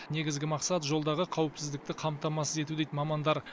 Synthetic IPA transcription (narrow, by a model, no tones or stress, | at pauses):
ne̞ɡʲɪzɡʲɪmɑqsɑt̪ʒo̞lˠd̪ɑʁəqʰɑwɪpsɪzd̪ɪkt̪ɪqʰɑmt̪ɑmɑsəze̞t̪ud̪ejt̪mɑmɑnd̪ɑɾ